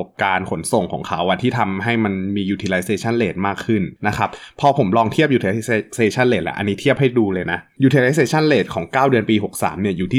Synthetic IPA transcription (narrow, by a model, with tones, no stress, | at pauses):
p̚kaː˧nkʰo˩˦nso˨˩ŋkʰɔ̰ː˩˦ŋkʰa˦˥wʔa˨˧˩t̪ʰiː˥˩t̪ʰa˧mɦa˥˩jma˧nmiː˧juː˧t̪ʰiː˧la˧jseː˧t͡ɕʰa˥˩nleː˨˩t̪̚maː˥˩kʰːɯ˥˩nna˦˥kʰa˦˥p̚pʰːɔ˧pʰo˩˦mlɔː˧ŋt̪ʰi˥˩əp̚juː˧t̪ʰːla˧seː˧t͡ɕʰa˥˩nleː˨˩t̪̚lɛ̰˧˩ʔa̰˧nːiː˦t̪ʰi˥˩əp̚ha˥˩jduː˧lɤː˧jna˦˥ʔjuː˧t̪ʰi˧la˧˦js̬eː˧t͡ɕʰa˥˩nleː˨˩t̪̚kʰɔː˩˦ŋkaː˥˩wdɯ˧ənpiː˧ɦo˨˩k̚sa̰ː˩˦mni˥˩ɐjuː˨˩t̪ʰiː˥